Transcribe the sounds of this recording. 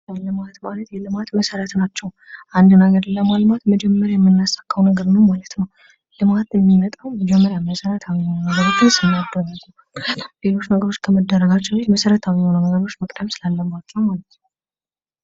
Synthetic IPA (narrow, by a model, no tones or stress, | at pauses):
əlɨmat̪malət̪jɛlɨmat̪məsəɾət̪nat͡ʃːɛw | ʔand̪naɡəɾlːəmalmat̪məd͡ʒɛmːəɾjajɛmːɨnːasḁkːəwnəɡəɾnəwmalət̪nəw | lɨmat̪jɛmːimət̪ʼawməd͡ʒɛmːəɾjaməsəɾət̪ʰawihonunəɡəɾot͡ʃːɨnsɨnːad̪ːəɾaɡəw | le̞lo̞t͡ʃːnəɡəɾo̞t͡ʃːkʰəməd̪ːəɾːəɡat͡ʃːɛeməsəɾət̪ʰawiho̞nunəɡəɾo̞t͡ʃːməkʼd̪əmsɨlalːəbat̪ːəwmalət̪nə